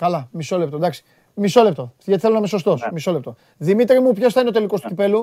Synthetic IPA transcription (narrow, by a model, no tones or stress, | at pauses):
kɐlɐmiso̞le̞p̚t̪od̪ɐksi̥ | miso̞lept̪o̞ʝɐt̪iθelonɐmeso̞st̪o̞smiso̞lept̪o̞ | ðimit̪ɾimupçosθɐineot̪e̞liko̞st̪u̥cipe̞lu